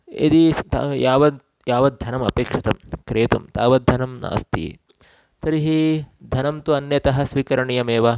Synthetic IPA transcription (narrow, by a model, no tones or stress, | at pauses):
ḭd̪it̪ajaːʋɐd̪ | jaːʋɐd̪ʱɐnɐmɐ̰peːkʂɐt̪ɐmkɾeːt̪ɐ̰mt̪a̰ːʋɐd̪ʱɐnɐmna̰ːst̪ḭ | t̪ɐɾiɦid̪ʱɐnɐmt̪uɐnjɐt̪ɐɦɐsʋiːkɐɾɐɳijɐmeːʋɐ